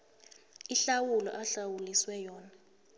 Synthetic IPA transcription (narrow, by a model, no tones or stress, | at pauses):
iɬawulɔ̰ʔaɬawuliswɛjɔːna